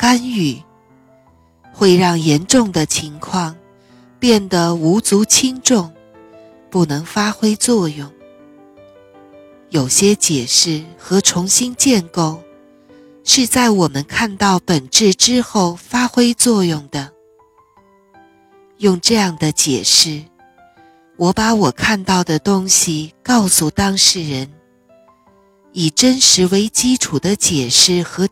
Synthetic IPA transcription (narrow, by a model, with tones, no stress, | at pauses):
ka˥ny˨˩ | xwe˥˧ɪɻɑ˥˩ŋjɛ˧˥nʈ͡ʂʊ˥˩ŋd̪ə˩t͡ɕʰi˧˥ŋkʰwɑ˥˧ŋ | pjɛ˥˩nd̪ə˩u˧˥t͡su˧˥t͡ɕʰi˥ŋʈ͡ʂʊ˥˧ŋ | pu˥˩nɤ˧˥ŋfa˥xwe˥ɪt͡swɔ˥˧jʊ˥˩ŋ | jo˨˩ʊɕjɛ˥t͡ɕjɛ˨˩ʂɻ̩˥˩xɤ˧˥ʈ͡ʂʰʊ˧˥ŋɕi˥nt͡ɕjɛ˥˧nko˥˩ʊ | ʂɻ̩˥˧t͡sa˥˩ɪwɔ˨˩mə˦nkʰa˥˧nt̪ɑ˥˩ʊpə˨˩nʈ͡ʂɻ̩˥˩ʈ͡ʂɻ̩˥xo˥˩ʊfa˥xwe˥ɪt͡swɔ˥˧jʊ˥˩ŋd̪ə˩ | jʊ˥˧ŋʈ͡ʂɤ˥˧jɑ˥˩ŋd̪ə˩t͡ɕjɛ̰˨˩ʂɻ̩˥˩ | wɔ˧˥pa˧˥wɔ˨˩kʰa˥˧nt̪ɑ˥˩ʊd̪ə˩t̪ʊ˥ŋɕi˨kɑ˥˧ʊsu˨˩t̪ɑ˥ŋʂɻ̩˥˩ɻə˧˦˥n | i˨˩ʈ͡ʂə˥nʂɻ̩˧˥we˧˥ɪt͡ɕi˥ʈ͡ʂʰu˨˩d̪ə˦t͡ɕjɛ˨˩ʂɻ̩˥˩xɤ˧˥